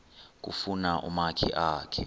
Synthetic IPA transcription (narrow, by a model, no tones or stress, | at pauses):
k̬ufunaʔṵmakʰḭʔaːkʰɛ